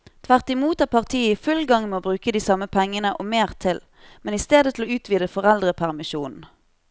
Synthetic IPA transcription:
t̪ʰʋæʁt̪ɪmuːt̪ɑpʰɑʁt̪ʰiːəɪfʉlɡɑŋmɛːoːbʁʉːkəd̪iːsɑməpʰɛŋːənəʔomeːʁt̪ʰɪl | mɛnɪst̪eːd̪ət̪ʰɪloːʉːt̪ʰʋiːd̪əfɔʁɛld̪ʁəpʰæʁmɪʃuːnn̩

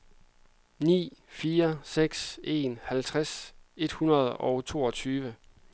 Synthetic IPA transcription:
nḭːfiːɐseɡ̥se̝̰nhælt͡sʰʁase̝d̥hunɐð̞ˠɒʊt͡sʰo̝̰ːɒ̽t͡sʰyːʋə

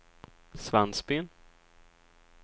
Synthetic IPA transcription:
svanspin

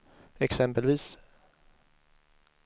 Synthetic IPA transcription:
ɛksɛmpəlviːs

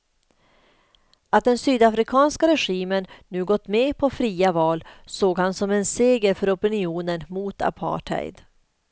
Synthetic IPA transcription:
at̪̚d̪ɛnsyːd̪afɾɪkʰɑːnskaɾɛɧiːmənːʉ̟ːɡɔt̪ːmeːpʰɔfɾiːavɑːlsoːɡhansɔmɛnseːɡəɾfœɾɔpɪnɪuːnənmuːt̪ʰa̰pʰɑ̰ːʈʰhɛ̰jd̪

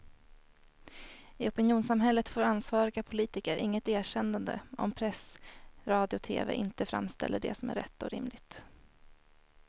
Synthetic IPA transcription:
ɪɔpənjuːnsamɦɛlːət̪foːɾansvɑːɾɪɡapʰʊliːt̪ɪkəɾʔɪŋːət̪eːɕɛnd̪and̪ə̰ɔ̰mpʰɾɛsɾɑːd̪ɪʊt̪ʰeːvḛːʔɪnt̪əfɾa̰mːst̪ɛ̰lːəɖɛ̰sɔmæ̰ɾɛ̰t̪ːɔɾɪ̰mlɪɡt̪

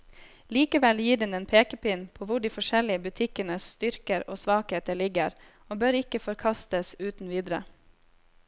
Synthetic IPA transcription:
liːkəʋɛljiːɖɛneːnpʰeːkəpɪnpʰoːʋʊɖiːfɔʂɛlɪəbʉt̪ʰɪkənəst̪ʏɾkəɾoːsʋɑːkheːt̪əlɪɡəɾ | oːbøːɾɪkəfɔɾkʰɑst̪əsʉːt̪n̩ʋiːd̪ɾə̰

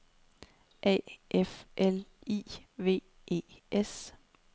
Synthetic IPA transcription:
ʔɛ̰ːʔefʔelḭːʋe̝̰ː | ḛːʔes

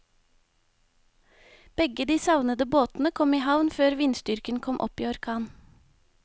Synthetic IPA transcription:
b̥ɛɡəd̪iːsɑʋnəd̪əboːt̪n̩əkʰɔmiːhɑʋnføːɾʋinst̪ʏɾkənkʰɔmʔɔ̰pḭːɔɾkʰɑːn

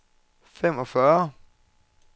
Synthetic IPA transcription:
femɒfœːɐ

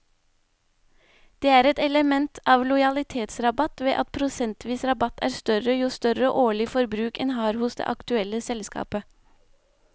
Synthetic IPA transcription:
d̪̥eːæːɾɛt̪ɛləmɛnt̪ʰɑːʋlʊɪɑlɪt̪ʰeːt̪sɾɑbɑt̪ʋḛːʔɑt̪̚pʰɾʊsɛnt̪ʋiːsɾɑbɑt̪ʰæ̰ːɾst̪œɾəjuːst̪œɾəʔoːɭɪfɔɾbɾʉːkɛnɦɑːɾhʊsd̪ḛːʔɑkt̪ʉɛlːəsɛlskɑ̰ːpə

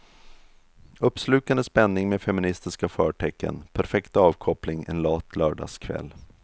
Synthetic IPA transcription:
ɵpːslʉ̟ːk̪and̪əspɛnːɪŋmeːfɛmɪnɪst̪ɪskafœːʈʰɛkːə̰npʰæɾfɛkt̪ɑːvkʰɔplɪŋɛ̰nlɑːt̪ʰlœːɖɑ̰ːskʰvɛ̰lː

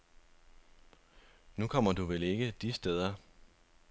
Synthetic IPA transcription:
nukʰɒ̽m̰ɐduʋele̝ɡ̥əd̥isd̥eð̞ˠɐ

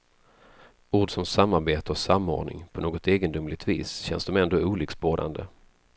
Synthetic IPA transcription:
uːɖsɔmsamːaɾbeːt̪əɔsamːo̰ːɖɳɪ̰ŋpʰɔnoːɡɔt̪eːɡənd̪ʊmlɪɡ̚t̪vḭːsɕɛ̰nsd̪ɔmɛnd̪oːuːliksboːɾa̰nd̪ə

